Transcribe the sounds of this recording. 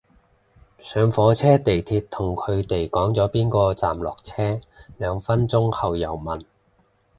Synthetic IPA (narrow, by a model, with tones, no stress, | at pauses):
sœː˨˧ŋfɔː˨˧t͡sʰɛː˥t̪e˨jt̪ʰiː˧t̚t̪ʰʊ˨˩ŋkʰɵ˨˧ɥt̪e˨jkɔː˨˥ŋt͡sɔː˨˥piː˥nkɔː˧t͡sa̰ː˨mlɔ̰ː˨k̚t͡sʰɛː˥ | lœː˨˧ŋfɐ˥nt͡sʊ˥ŋhɐ˨wjɐ˨˩wmɐ˨˩n